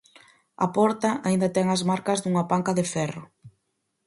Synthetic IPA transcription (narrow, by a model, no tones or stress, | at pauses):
ɐ̰pɔɾt̪ɐʔaind̪ɐt̪ɛŋɐzmaɾkɐzðuŋɐpaŋkɐðɪfɛrʊ